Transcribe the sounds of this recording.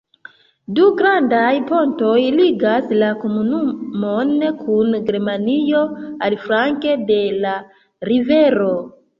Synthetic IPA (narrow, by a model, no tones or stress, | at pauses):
duɡɾandajpo̞nto̞jliɡaslako̞munumo̞nkʰunɡeɾmanio̞alfɾaŋke̞de̞la | ɾive̞ɾo̞